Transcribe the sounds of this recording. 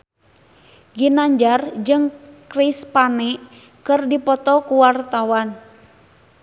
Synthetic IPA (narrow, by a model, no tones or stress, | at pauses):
ɡinaɲd͡ʒard͡ʒɨŋkɾispanɛ | kɨrdipɔt̪ɔkuwart̪awan